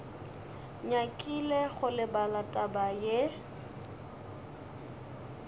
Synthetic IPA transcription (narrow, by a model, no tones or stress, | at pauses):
ɲakʼileɣʊlɪbalatʼabaje